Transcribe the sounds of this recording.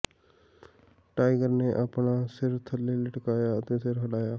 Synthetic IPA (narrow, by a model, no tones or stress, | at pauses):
ʈaːɪɡəɾneʔəpɳaːsɪɾt̪ʰəlːeləʈkaːjaət̪ẽːsɪɾɦəɽaːjaː